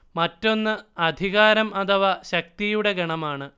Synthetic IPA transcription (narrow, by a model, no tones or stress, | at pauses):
mɐtːo̞nːɨɐd̪ʱiɣaːɾɐmɐt̪ʰɐʋɐɕɐk̚t̪ijuɽe̞ɡɐɳɐmaːɳɨ